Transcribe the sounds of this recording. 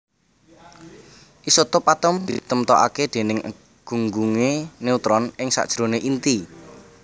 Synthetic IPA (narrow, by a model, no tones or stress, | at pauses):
ʔisot̪ɔpat̪əmd̪̥it̪əmt̪ɔʔa̰ked̪̥e̤nɪŋə̰ | ɡ̥ṳŋɡuŋeneut̪ɾɔnʔɪŋsa̰ʔd̥ʒ̥ɾo̤neʔint̪i